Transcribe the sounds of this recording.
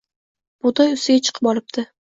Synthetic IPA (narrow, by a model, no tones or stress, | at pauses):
b̥od̪ɒjʊst̪ɪɡʲat͡ʃʰɨ̥qʰɨ̥pɒlɪp̚t̪ʰɪ